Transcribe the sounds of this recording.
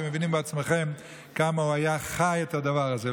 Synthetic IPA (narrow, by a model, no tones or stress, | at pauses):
eməvinimbat͡sməχɛm | kamauajaχajɛthadavaʁazɛ